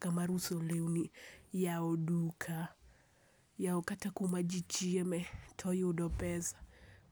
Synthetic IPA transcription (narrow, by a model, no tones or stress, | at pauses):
kamaɾusɔlɛunijaɔɗukʰa | jaɔkatakumad͡ʒit͡ʃiɛmɛtʰɔiɔɗɔpɛzḁ